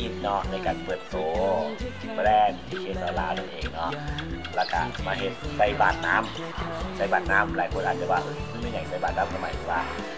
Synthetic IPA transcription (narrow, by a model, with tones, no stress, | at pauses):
ʔi˧˩t̪̚nɔ˦˥na˧˩jkaː˧npɤː˨˩ət̪̚soː˨˦ | pɾɛː˧˥˩nt̪ʰiː˧˩t͡ɕʰiː˧˩˨saː˨˧˦laː˧a˧˩nʔeː˨˩ŋnɔ˦˥ʔla˧˩ka̰˧˩maː˧ɦe˨˩˦t̪̚sa˧˩jbaː˨˩t̪̚naː˦˥m | sa˧˩jbaː˨˩t̪̚naː˦˥mlaː˨˦jkʰo˧˩nʔaː˨˧˩t͡ɕʰːwaː˧˩ʔma˧˥˩nma˧˥˩jɲa˨˩˦jsa˧˩jbaː˨˩t̪̚naː˦˥˩mkʰa˧˩ma˧˩jt̪ʰi˧˩waː˧˩